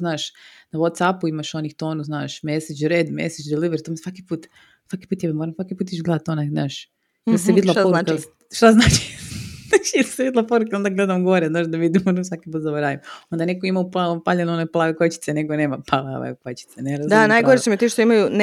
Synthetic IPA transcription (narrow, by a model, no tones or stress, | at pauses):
znaːʃnawot̪sapuimaʃonixt̪oːnuzna̰ːʃmeset͡ʃɾeːd̪mḛsed͡ʒd̪iliʋeɾt̪omisʋakipuːt̪ | sʋaki̥puːt̪jeβemoːɾamsʋakipuːt̪̬it͡ʃɡled̪at̪onaznaːʃ | jelseʋid̪lapoɾuk | ʃt̪aznaːt͡ʃi̥naʃjelseʋid̪lˠapoɾukeo̞nd̪aɡled̪amɡo̞ɾeznaːʒd̪aʋid̪imonamsʋakipuːt̪zaboɾaːʋimo̞nd̪anekoimauplapaʎenoneplˠaʋekot͡ɕi̥t̪seneɡoneːmapala̰ʋa̰kot͡ɕi̥t̪seneɾazd̪anajɡoɾet͡ʃemit̪iːʃt̪oimajun